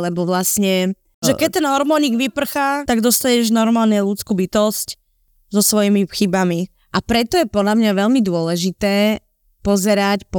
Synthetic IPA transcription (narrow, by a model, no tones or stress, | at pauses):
lɛbɔʋlasɲɛ | ʒɛkɛt̪ːɛnɦɔɾmɔɲiɡʋipr̩xat̪aɡd̪ɔst̪aɲɛʒnɔɾmaːlnɛlut͡skuːbit̪ɔsc | zɔsʋɔjimixibami | ʔapɾɛt̪ɔjɛpɔd̪ʎamɲaʋɛʎmid̪ʊɔlɛʒit̪ɛː | pɔzɛɾacpɔ